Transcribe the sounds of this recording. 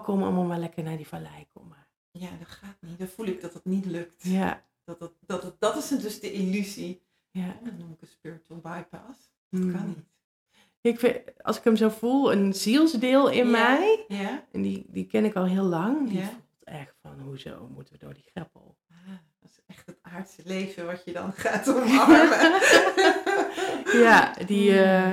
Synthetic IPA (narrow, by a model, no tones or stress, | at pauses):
kʰomɑ̰lˠmalˠmalɛkəɹnaːɹdivalɛjkʰo̰mə | jaːdɑtχaːt̚nitdɔtfulɪɡ̚dɑtətnitlɵktja | d̥ɑtt̚dɑtd̥ɑtɪsdøsdəʔilyzi | jadɔnːumɪkəspɪɹɪtəlˠbɑjpas | dtkɑnit | aɪkfɪɑ̰lˠsɪ̥kəmzowv̥ulˠənz̥ilˠzdɪlˠɪnmɛjjʔɛndidikɛnɪkɔlˠɦɪəlɑŋdifulˠtɛxtfɔnɦuzo̰wmutəʋədʊ̰ːɹdixrɪpə̰lˠ | aː | dɪ̥sɛχtətaːɹtsəlejvəʋɑtjədɑ̰nχaːtɔmɑmə | jadi